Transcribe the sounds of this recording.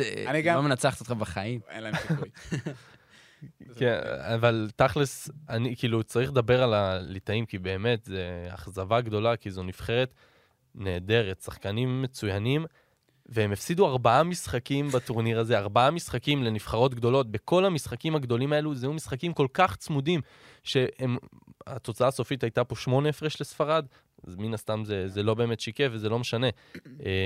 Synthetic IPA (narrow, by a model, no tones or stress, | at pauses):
nimenat͡saχt̪iot̪χabaχaim | kenavaltaχlesanikiːlut͡saʁiχled̪abeʁalalitaimkibe̞ːme̞tzea̰χzavaɡd̪o̞lakizo̞nifχe̞ʁe̞t̪ | ne̞ːde̞ʁet̪saχkanimːe̞t͡sujanim | veemefsiduaʁbaamisχakimbatuʁniʁaze̞aʁbaamisχakimle̞nifχaʁo̞tɡd̪o̞lo̞t̚be̞ko̞lhamisχakimhaɡd̪o̞limae̞luzejumisχakimko̞lkaχt͡smudim | ʃe̞em | a̰t̪o̞t͡saaːso̞fitajt̪apo̞ʃmo̞neefʁeʃlesfaʁad | azminast̪amzezelo̞be̞ːme̞tʃikefvezelo̞meʃane̞